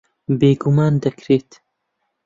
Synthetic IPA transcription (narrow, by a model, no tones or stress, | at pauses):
beːɡumaːnd̪ɐkɾeːt̪